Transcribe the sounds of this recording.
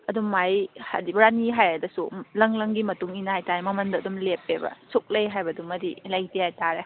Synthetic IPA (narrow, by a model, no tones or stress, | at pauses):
ɐdumːajha̰dibɐɾaniɦajɐdɐsulɐŋlɐŋɡimɐtuŋinɐhajtaɾemɐmɐndɐːdumlepebɐ̰suk̚lɐjɦajbɐdumːɐdilɐjdihajtaɾe